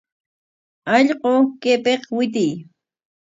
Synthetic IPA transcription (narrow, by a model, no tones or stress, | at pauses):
ɑʎɢokepeχwɪt̪ɪj